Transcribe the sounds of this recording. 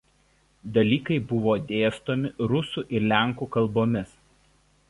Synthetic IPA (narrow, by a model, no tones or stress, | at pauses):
d̪ɐlʲiːkɐɪbʊʋoːd̪ʲeːst̪oːmʲɪɾʊsuːˑʔɪɾlʲæˑŋkuːˑkɐlˠboːmʲɪs